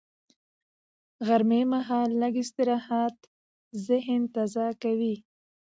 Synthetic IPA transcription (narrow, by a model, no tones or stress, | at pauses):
ɣaɾmemaɦɑlːaɡɪst̪ɪɾɑhat̪ | zɪhnt̪azɑkawi